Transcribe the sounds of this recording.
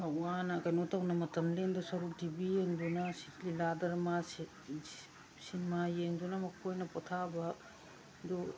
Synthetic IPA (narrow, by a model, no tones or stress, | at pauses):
ɐanɐkɐjnotɐwnɐmɐtɐmlendɐsɐɾukdibijeŋdunɐsi̥tliladɐɾmas | sinmajeŋdunɐmɐkʰojnɐpotʰabɐ | do